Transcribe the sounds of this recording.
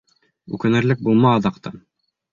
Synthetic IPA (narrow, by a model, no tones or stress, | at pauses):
ʉ̰kɘ̆nɘ̆ɾlɘk̚bulˠmɑːðɑqt̪ɑ̰n